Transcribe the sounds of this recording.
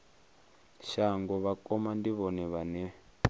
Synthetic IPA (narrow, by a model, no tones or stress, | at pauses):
ʃaŋɡɔβakʼɔmandiβɔnɛβanɛ